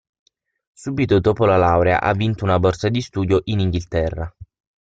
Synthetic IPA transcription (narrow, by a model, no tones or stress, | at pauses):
suːbit̪od̪oːpolalawɾea̰ʔa̰vːint̪ounabɔrsad̪ist̪uːd̪joʔiniŋɡilt̪ɛrːa